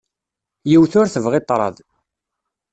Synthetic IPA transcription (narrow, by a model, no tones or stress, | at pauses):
jiwθʊɾθəvʁɪt̪ˤːɾˤɑ̰ðˤ